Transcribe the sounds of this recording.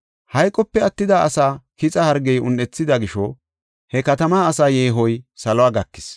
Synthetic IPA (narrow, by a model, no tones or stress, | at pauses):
hɐjkʼːɔpːɛɐt̪ːɪd̪aɐsaːkɪt͡sʼɐhɐɾɡɛjʊ̰nːɛt͡sːɪd̪ɐɡɪʃɔ | hɛkɐt̪ɐmaːɐsaːjeːɦɔjsɐlɔaːɡɐkːɪ̥s